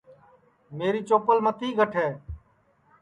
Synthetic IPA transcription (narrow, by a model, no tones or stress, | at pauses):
meːɾiːt͡ʃoːpəlmət̪iːɡʱəʈʰeː